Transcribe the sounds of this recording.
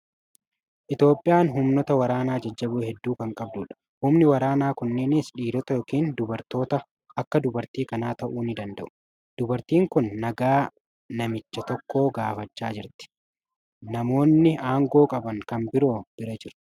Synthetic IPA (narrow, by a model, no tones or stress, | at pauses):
ʔɪt̪jo̞ːpʼːɪjaːnɦʊmnɔt̪ɐwɐɾaːnaːd͡ʒɐd͡ʒːɐbʊhɛd̪ːuːkɐŋkʼɐbd̪ʊːᶑɐ̥ | hʊmnɪwɐɾaːnaːkʊnːeːnɪsᶑiːd̪ɔt̪ɐjɔːkiːnd̪ʊbɐɾt̪o̞ːt̪ɐ | ɐkːɐd̪ʊbɐɾt̪iːkɐnaːt̪ɐʔuːnɪd̪ɐnd̪ɐ̰ʔʊ̥ | d̪̥ʊbɐɾt̪iːŋkʊnːɐɡaː | nɐmɪt͡ʃːɐt̪ɔkːoːɡaːfɐt͡ʃːaːd͡ʒɪɾt̪ɪ̥ | nɐmo̞ːnːɪʔaːŋɡo̞ːkʼɐbɐŋkɐnbɪɾo̞ːb̥ɪɾɐd͡ʒɪɾ